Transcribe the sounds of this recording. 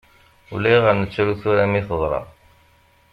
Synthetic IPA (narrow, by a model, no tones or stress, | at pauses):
ṵlæjʁəɾnət͡sːɾuθuɾæmiθəðˤɾˤɑ̰